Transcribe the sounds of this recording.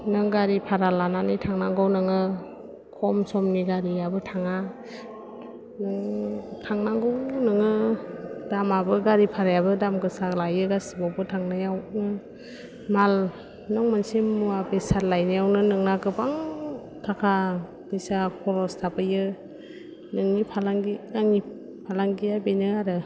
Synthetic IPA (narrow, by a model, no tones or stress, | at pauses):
nɯŋɡaɾipʰaɾalananɯjtʰaŋnaŋɡɔwnɯŋɯ | kʰɔmsɔmniɡaɾiabɯtʰaŋa | nɯŋtʰaŋnaɡɔwnɯŋɯ | d̥amabɯɡaɾipʰaɾajabɯdamɡɯsalajɯɡasɯbawbɯtʰaŋnɯjawnɯ | mal | nɔŋmansimːuabesalajnajawnɯnɯŋnakɯbaŋ | tʰakʰa | besakʰɔɾɔstʰapɯjɯ | nɯŋnipʰalaŋɡinaŋi | pʰalaŋɡijabenɯaɾɯ